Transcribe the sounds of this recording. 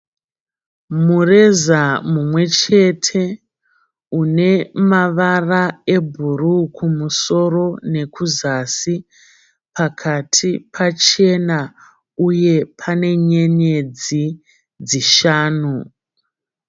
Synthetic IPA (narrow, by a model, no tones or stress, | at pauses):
mure̞zamumwe̞t͡ʃe̞tʰe̞ | une̞maʋarae̞bʱurukʰumuso̞ro̞ne̞kuzasi | pʰakʰatʰipʰat͡ʃe̞na | uje̞pʰane̞ɲe̞ɲe̞d͡zi | d͡ziʃaːnu